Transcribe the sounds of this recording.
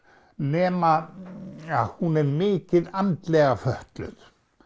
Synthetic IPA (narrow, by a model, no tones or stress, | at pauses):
nɛːma | ahunɛɾmɪːcɪðant̪lɛːɣafœht̪lʏ̰ð